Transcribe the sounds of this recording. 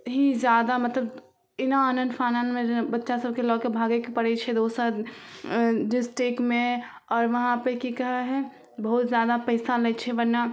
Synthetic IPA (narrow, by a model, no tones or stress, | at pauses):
ɦizjaːd̪amɐt̪ləb | ɪnaaːnə̃nd̪pʰaːnãnmẽbɐt̪ːʃasəb̚kelɔːkebʱaːɡekpɐɽet͡ʃʰɛd̪oːsɾa | ɖɪsʈɾɪkmẽ | ɔːɾʋɐɦãpəkikɐɦaɦɛ | bɐɦʊt̪zjaːd̪apɛɪsalɛt͡ʃʰɛʋɐɾna